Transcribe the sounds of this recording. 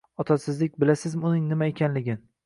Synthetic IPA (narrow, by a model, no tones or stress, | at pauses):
ɒt̪ʰasɪzlɪk̚ʲbɪlasɪzmɪʊnɪŋnɪmaekʲʰanlɪɡʲɪn